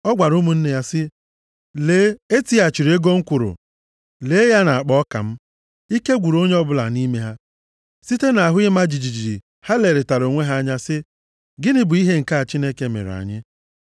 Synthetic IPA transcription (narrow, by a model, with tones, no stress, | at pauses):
ɔ˦ɡʷa˨ɾu˦mu˨n̩˦ne˨ja˦sɪ˦ | leː˦e˦ti˦a˨t͡ʃi˨ɾe˦ɡo˦ŋ̩˦kʷʊ˨ɾʊ̰˨ | leː˨˦ja˦na˨a˨k͡pɔ˦ka̰˨m̩˦ | i˦ke˦ɡʷu˨ɾo˦ɲe˦ɔ˦bʊ˦la̰˨ni˦me˦ɦa˦ | si˦te˦na˨a˨ɦʊ˦ɪ˦ma˦d͡ʒi˨d͡ʒi˨d͡ʒi˨ɾḭ˨ | ha˦le˨ɾɪ˨ta˨ɾo˨ŋʷe˦ɦa˦ɲa˦sɪ˦ | ɡɪ˦nɪ˦bʊ˨i˦ɦe˦ŋ̩˨ka˦a˨t͡ʃi˦ne˦ke˦mḛ˨ɾa̰˨ɲɪ˦